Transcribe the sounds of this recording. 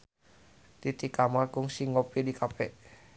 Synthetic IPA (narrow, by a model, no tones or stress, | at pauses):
t̪it̪ikamaɡʊŋsiŋopidikapɛʔ